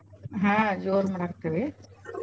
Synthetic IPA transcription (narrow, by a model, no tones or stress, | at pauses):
ɦãd͡ʒoːɾmɐɽakt̪ːɐʋe